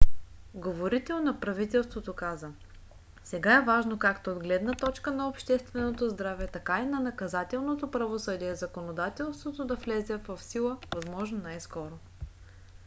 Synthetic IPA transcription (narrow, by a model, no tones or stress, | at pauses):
ɡovoɾit̪ɛlˠnɐpɾɐvit̪ɛlˠst̪vot̪okazə | sɛɡaɛvaʒnokakt̪oːd̪ɡlɛd̪nɐt̪ɔt͡ʃkənɐopʃt̪ɛst̪vɛnot̪ozd̪ɾavɛt̪ɐkainɐnɐkɐzat̪ɛlˠnot̪opɾɐvosɤd̪iɛzɐkonod̪at̪ɛlˠst̪vot̪od̪ɐflɛzɛvɐfsilˠəvɐzmɔʒnonajskɔɾo